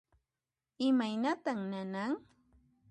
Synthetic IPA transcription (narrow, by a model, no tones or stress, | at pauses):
ɪmajnat̪aŋnanaŋ